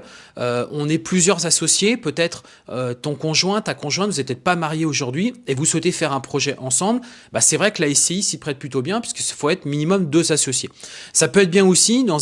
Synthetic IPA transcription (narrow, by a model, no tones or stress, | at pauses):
øɔ̃nɛplyzjœʁzasɔsjepøt̪ɛt̪χ | øt̪ɔ̃kɔ̃ʒwɛ̃t̪t̪ːakɔ̃ʒwɛ̃t̪vuzɛtpət̪ɛt̪̚pamaʁjeoʒuʁd̪ɥievuswɛt̪efɛʁɛ̃pχɔʒɛʔɑ̃sɑ̃bl | basɛvʁɛklaɛseisipχɛt̪̚plyt̪objɛ̃pɥi̥skəsfoɛt̪χminimɔmd̪øzasɔsjesapøɛt̪χbjɛ̃osid̪ɑ̃